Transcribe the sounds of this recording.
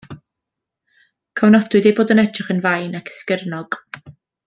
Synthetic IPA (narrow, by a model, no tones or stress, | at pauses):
kʰɔwnɔdʊɨdejboːdənɛtʰrɪχənvajnakʰɛ̥skərnɔɡ̥